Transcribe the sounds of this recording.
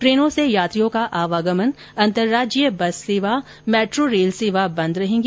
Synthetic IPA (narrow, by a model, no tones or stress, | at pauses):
pɾeːnõsejaːt̪ɾijõkaʔaːʋaːɡəmən | ɐ̃nt̪əɾːaːd͡ʒijəbɐseːʋa | mɛːʈɾoɾeːlseːʋabɐ̃nd̪ɾɐɦẽːŋɡ